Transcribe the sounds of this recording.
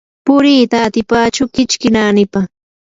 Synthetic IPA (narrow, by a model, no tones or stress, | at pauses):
pʊɾiːt̪aːt̪ɪpaːt͡ʃʊkɪt͡ʃkɪnaːnɪpa